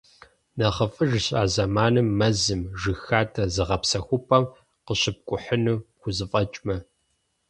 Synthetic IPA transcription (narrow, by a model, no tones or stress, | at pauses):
nɐχəfʼɨʒɕʼaːzɐmaːnɨmːɐzɨmʒɨxaːtʰɐzɨʁɐpsɐxʷʊpʰɐm | qəɕɪp̚kʷʼʊħənuːxʷʊzɨfʼɐt͡ʃʼmɐ